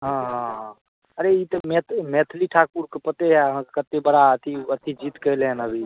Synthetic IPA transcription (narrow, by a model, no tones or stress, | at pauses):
ɦãɦãɦ | əɾeit̪əmet̪ʰmet̪ʰliʈʰak̚puɾkepət̪ejaɦə̃kət̪ːebəɽaət̪ʰiət̪ʰid͡ʒit̪kəjleənəbʱi